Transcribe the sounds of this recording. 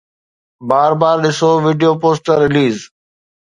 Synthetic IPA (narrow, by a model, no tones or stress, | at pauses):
baːɾbaːɾɗɪsoːʋiːɖijoːpoːsʈəɾːɪliːz